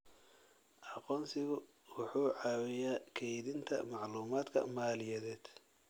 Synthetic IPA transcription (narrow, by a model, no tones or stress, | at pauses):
ʔɑqɔːnsɪɣʊ | wʊħuːʕɑːwɪjaːkʰɛjðɪnt̪ʰɐ̰mɑʕluːmaːd̪kʰɐ̰maːlɪjɛðɛːd̪̥